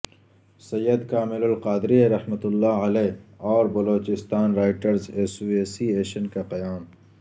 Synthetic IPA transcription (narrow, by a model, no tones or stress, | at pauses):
sɐjːəd̪kaːmɪlʊlqaːd̪ɾieɾɐhmət̪ʊlːaːɐleːɔːɾbɐloːt͡ʃɪst̪aːnɾaːɪʈəɾzeːsueːsieːʃənkaqɐjaːm